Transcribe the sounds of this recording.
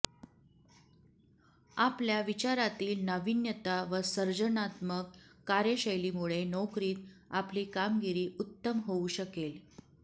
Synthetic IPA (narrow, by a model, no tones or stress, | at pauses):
apljaʋit͡ɕaɾat̪iːlnəʋinjət̪aʋəsəɾd͡ʑənat̪məkːaɾjəɕəjliːmuɭenɔkɾiːt̪apliːkamɡiɾiːut̪ːəmɦouɕəkel